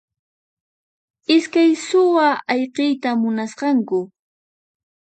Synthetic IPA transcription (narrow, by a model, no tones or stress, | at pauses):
ɪskajsʊwaɑjqɪjt̪amʊnasqɑŋkʊ